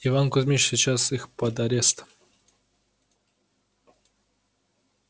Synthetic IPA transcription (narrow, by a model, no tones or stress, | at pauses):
ɪvankʊzʲmʲit͡ɕsʲɪt͡ɕasixpəd̪ɐɾʲest̪